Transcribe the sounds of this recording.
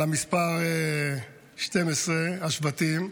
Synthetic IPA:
amispaʁe | ʃte̞mesʁehaʃvatim

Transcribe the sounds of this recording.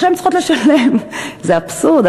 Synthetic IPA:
ʃɛmt͡sχot̪ləʃalemzeapsuʁd̪

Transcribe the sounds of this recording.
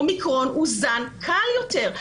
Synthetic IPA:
mikʁo̞nuzankʰaljote̞ʁ

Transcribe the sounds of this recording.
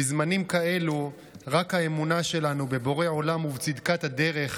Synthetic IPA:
izmanimkae̞lu | ʁakhaemunaʃe̞lanube̞bo̞ʁe̞o̞lamuvt͡sid̪kat̪had̪e̞ʁe̞χ

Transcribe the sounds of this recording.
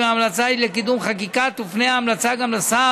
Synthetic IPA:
aamlat͡sailekid̪umχak̬ikat̪ufnejaːmlat͡saɡamlesa

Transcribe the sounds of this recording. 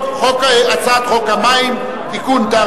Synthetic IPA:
χokaeat͡sat̪χokamajn | kɪkʊnt̪a

